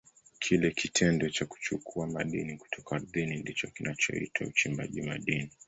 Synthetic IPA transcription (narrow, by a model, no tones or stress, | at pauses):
kʰilɛkitʰɛndɔt͡ʃaku̥t͡ʃukʰuamaɗiniku̥tʰɔkaːɾðinindit͡ʃɔkinat͡ʃɔ̰ḭtʰaut͡ʃimba̰ʄimaɗini